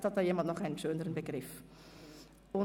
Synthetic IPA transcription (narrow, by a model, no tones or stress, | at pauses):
dɑt̚əjimɑntnɔχɛːnəsøːndəɾənbəɡrɪf | ɔ